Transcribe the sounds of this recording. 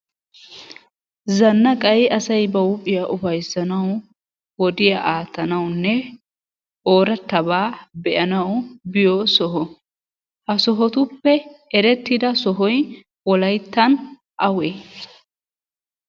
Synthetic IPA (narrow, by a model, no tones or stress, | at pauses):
zɐnːɐkʼɐjɐsɐjbɐwʊpʼːɪjaʔʊfɐjsːɐnɐw | wɔd̪ɪjɐʔaːt̪ːɐnɐwnːɛ | ʔoːɾɐt̪ːɐbaːbɛʔɐnɐwbɪjɔsɔɦɔ | hɐsɔɦɔt̪ʊpːɛɛɾɛt̪ːɪd̪ɐsɔɦɔj | wɔlɐjt̪ːɐn | ʔɐweː